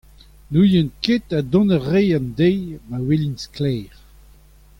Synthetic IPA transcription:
nujɛ̃nket̪ad̪ɔ̃nəʁejãnd̪ejmawelinsklɛːʁ

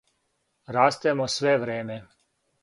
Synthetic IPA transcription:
ɾaːst̪ɛmosʋeʋɾeːme

